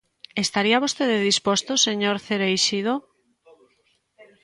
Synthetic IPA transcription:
est̪aɾiaβost̪eðeðispost̪oseɲoɾθeɾejʃiðo

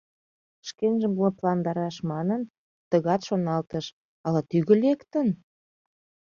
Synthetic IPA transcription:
ʃkenʒəmplɑnd̪ɑɾɑʃmɑnən | t̪əɣɑt̪ʃonɑlt̪əʃ | ɑlɑt̪yɣə̆lekt̪ə̆n

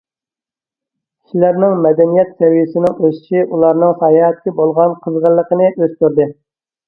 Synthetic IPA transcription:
kʰʲi̥ʃilæɾnɪŋmɛd̪ɛnijɛt̪sʰɛwijɪsɪnɪŋøsɪ̥ʃiʔulˠɑɾnɨŋsɑːjɑɛt̪̚kʲɛbolˠʁɑnqʰəzʁəlˠːəqʰənɨʔøzt̪yɾd̪ɨ

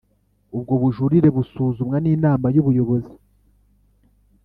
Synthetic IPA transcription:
ub̚ɡo̞βuʒuɾiɾe̞βusuːzumŋaniːnaːmajuβujo̞βo̞zi

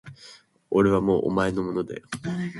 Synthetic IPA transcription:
o̞ɾe̞β̞amo̞ːʔo̰mae̞no̞mo̞nod̪ḛ

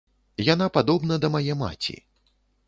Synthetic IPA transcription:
janapad̪ɔbnɐd̪ɐmajɛma̰t͡sʲḭ

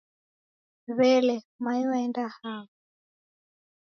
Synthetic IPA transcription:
βɛlɛ | maiwaɛndahaːβɔ

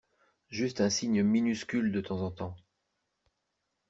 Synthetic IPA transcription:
ʒyst̪ɛ̃siɲminyskʲyld̪ət̪ɑ̃zɑ̃t̪ɑ̃

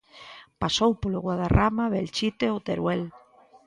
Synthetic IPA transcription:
pasowpolʊɣwaðaramaβelt͡ʃit̪eot̪eɾwɛl

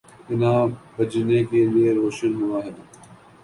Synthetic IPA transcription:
ɪnãːbʱəd͡ʒnekeːlieɾoːʃənɦʊʋaːɦɪn

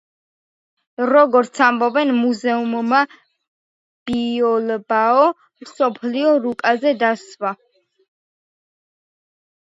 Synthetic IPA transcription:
ɾɔɡɔɾt̪sʰambɔbɛnmuzɛumma | b̥iɔlbaɔ | msɔpʰliɔɾukʼazɛd̪aswa

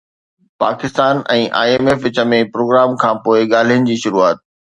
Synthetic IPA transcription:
paːkɪst̪aːnɛ̃ːʔa̰ːeːmeːfʋɪt͡ɕə̆mẽpɾoːɡɾaːmkʰãːpoːɪɠaːl̤ijənɪ̆d͡ʑiːʃʊɾuaːt̪̚

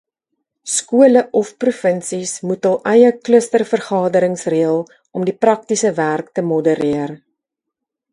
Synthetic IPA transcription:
skuələʔɔfprufənsismutɐlˠʔɛjəkləstərfərχɑːdəɾəŋsriəlˠ | ɔmdiprɐk̚tisəværktəmɔdəɾiər

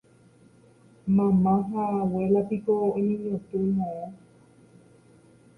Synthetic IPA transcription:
mãmãɦawelapikoːenĩɲõt̪uɲõo

